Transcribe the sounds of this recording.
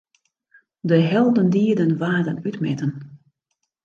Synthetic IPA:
dəɦɛlˠdəndiədənʋaːdənytmɛtən

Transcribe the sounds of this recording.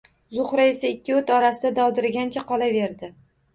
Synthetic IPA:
zʊχɾae̞saɪkʲːɪɵt̪ɒɾasɪd̪ad̪ɒwd̪ɪɾɪɡʲant͡ʃʰaqɒlave̞ɾd̪ɪ

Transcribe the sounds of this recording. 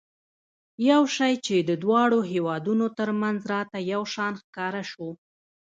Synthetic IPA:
jawʃɑjt͡ʃed̪əd̪wɑɽoɦewɑd̪unot̪əɾmanzɾɑt̪ajawʃɑnxkɑɾaʃo

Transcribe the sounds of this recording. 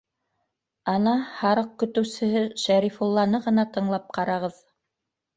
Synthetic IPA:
ɑnɑhɑɾɤq̚kɵ̆t̪ɵ̆wsɘ̆ɦɘʃæɾifulˠːɑnɤʁɤ̆nɑt̪ɤ̆ɴlˠɑp̚qɑɾɑʁɤð

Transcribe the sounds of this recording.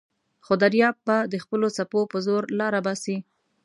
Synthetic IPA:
xod̪aɾjɑb̚bad̪əxpəlosapopəzoɾlɑɾabɑsi

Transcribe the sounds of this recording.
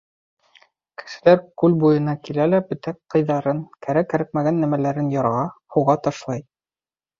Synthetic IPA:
kɘ̥̆ʃɘ̆læɾkʉlbujɤ̆nɑkilælæbɵ̆t̪ækqːɤ̆jðɑɾɤŋkæɾækːæ̆ɾæk̚mæɡænːæmælæɾɘnjɑɾʁɑhuʁɑt̪ɑʃlˠɑj

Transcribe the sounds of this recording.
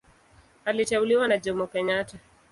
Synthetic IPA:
alit͡ʃauliwanad͡ʒɔmɔkɛɲata

